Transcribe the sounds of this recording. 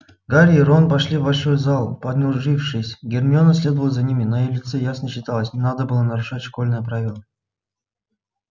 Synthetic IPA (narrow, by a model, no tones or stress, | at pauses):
ɡaɾʲɪɾonpɐʂlʲivbɐlʲʂo̞jzalˠpɐd̪nʲʊʐɨfʂɨsʲɡʲɪrnʲɪonəsʲlʲe̞d̪əvəlˠəzɐnʲimʲɪnɐjelʲɪt̪sɛjasnəɕːɪt̪alˠəsʲnʲɪnad̪əbɨlˠənɐɾʊʂatʲʂko̞lʲnɨjəpɾavʲɪlˠə